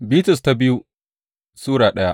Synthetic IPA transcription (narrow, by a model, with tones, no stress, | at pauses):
biː˦tʊ˨s̬ta˦bɪ˦ju˦ | suː˦ɽaː˨ɗɐ˦ja˦ʔ